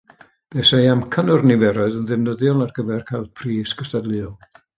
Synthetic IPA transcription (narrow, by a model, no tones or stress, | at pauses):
b̥ɛːsajamkʰənɔrnɪvɛɾɔɨðənðɨmnəðjɔlˠarɡəvɛrkʰalˠpʰriːsɡ̥əstadlˠɨɔlˠ